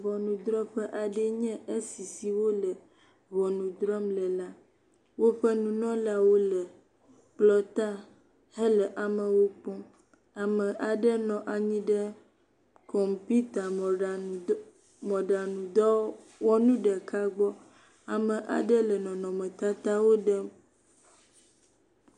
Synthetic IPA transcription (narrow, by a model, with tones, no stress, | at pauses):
vɔ˨nũ˨d̪ɾɔ˦ɸɛ˦ʔa˨ɖɛ˦ɲɛ̃˦ʔe˦si˨si˨wo˦lɛ˨ | βɔ˨nũ˨d̪ɾɔ˦mlɛ˨la˦ | wo˦ɸɛ˦nũ˨nɔ̃˦la˦wo˦lɛ˨ | k͡plɔ˦t̪a˦ | ɦe˦lɛ˨ʔa˨mɛ̃˨wo˦k͡pɔ̃˦ | a˨mɛ̃˨ʔa˨ɖɛ˦nɔ̃˨ʔa˨ɲĩ˦ɖɛ˦ | kʰɔ˨mpu˦t̪a˨ | mɔ̃˨ɖa˨nũ˨d̪ɔ˦ | wɔ˦nũ˦ɖɛ˨kʰa˦ɡ͡bɔ˦ | a˨mɛ̃˨ʔa̰˨ɖɛ˦lɛ˨nɔ̃˨nɔ̃˨mẽ˨t̪a˦t̪a˦wo˦ɖɛ˦m